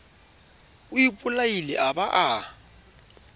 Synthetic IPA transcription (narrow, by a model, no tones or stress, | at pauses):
ʊipʼʊlailɪ̰ʔabaʔa